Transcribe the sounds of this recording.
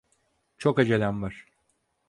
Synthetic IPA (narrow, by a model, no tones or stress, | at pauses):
t͡ʃʰokad͡ʒelʲænvaɾ̥